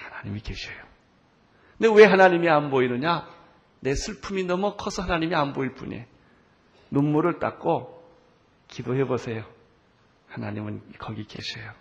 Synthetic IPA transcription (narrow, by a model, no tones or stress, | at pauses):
hanaɲimike̞ɕʰejo | newe̞ɦanaɲimianboinɯɲa | ne̞sʰɯɭpʰuminʌmʌkʰʌsʰʌɦhanaɲimianboiɭp͈ṵɲḛ | nomːuɾɯɭt͈a̰k͈o | kidohe̞bosʰe̞jo | hanaɲimɯnkʌɡike̞̰ɕʰejo